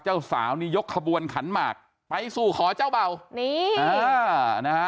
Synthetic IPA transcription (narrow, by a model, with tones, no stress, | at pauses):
t͡ɕaː˥˩wsa̰ː˩˦wniː˥˩jo˦˥kʰːa˧bu˧ənkʰa˩˦nmaː˨˩k̚ | pa˧jsuː˨˩kʰɔː˩˦t͡ɕaː˥˩wba˧˩wni˧˩aː˧na˦˥a˦˥